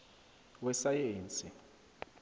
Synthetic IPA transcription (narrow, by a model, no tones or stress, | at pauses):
wɛsajeːnt͡sʼi